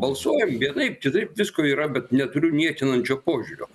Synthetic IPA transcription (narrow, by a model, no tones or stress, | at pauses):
bɐlˠsuːjɛmʋʲiɛnɐɪp̚kʲɪt̪ɐɪpʋʲɪskoːiːɾɐbʲɛt̪nʲɛt̪ʊɾʲʊnʲiɛt̪ʲɪnɐnʲt͡ʃʲoːpoːʒʲʊɾʲoː